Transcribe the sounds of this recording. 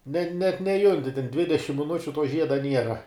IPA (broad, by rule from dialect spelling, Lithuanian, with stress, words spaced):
nʲɛ nʲɛt nʲɛˈjʊnʲtʲɪ tʲɛn ˈdʲʋʲɪdʲɛʃʲɪm mʲɪˈnʊt͡ʃʲʊ tuɔ ˈʒʲiɛdɐ ˈnʲiɛrɐ